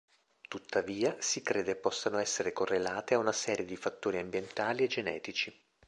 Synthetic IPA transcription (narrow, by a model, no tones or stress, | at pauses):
t̪ut̪ːaviːasikɾeːd̪epːɔsːanoɛsːeɾekorːelaːt̪eaunasɛːɾjed̪ifat̪ːoːɾiambjent̪aːlied͡ʒːenɛ̰ːt̪it͡ʃi